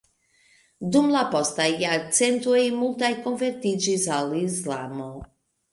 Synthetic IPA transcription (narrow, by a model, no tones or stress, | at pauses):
d̪umlapɔst̪ajat͡sɛnt̪uimulˠt̪ajkɔnvɛɾt̪id͡ʒizalizlamɔw